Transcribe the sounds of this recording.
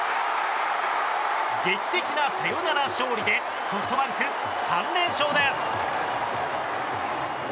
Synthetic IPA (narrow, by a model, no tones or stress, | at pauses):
ɡe̞kʲi̥t̪e̞kʲinase̞jonanaɕo̞ːɾʲid̪e̞ | soɸɯ̟t̪o̞bãŋkɯ̟ | sãnd̪ẽ̞ɰ̃ɕo̞ːd̪e̞sɨ̥